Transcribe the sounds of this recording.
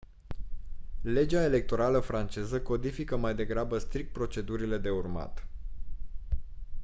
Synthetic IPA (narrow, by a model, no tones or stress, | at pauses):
le̞d͡ʒae̞le̞k̚t̪o̞ɾaləfɾant͡ʃe̞zəko̞d̪ifikəmajd̪e̞ɡɾabəst̪ɾik̚t̪̚pɾo̞t͡ʃe̞d̪uɾile̞d̪e̞urma̰t̪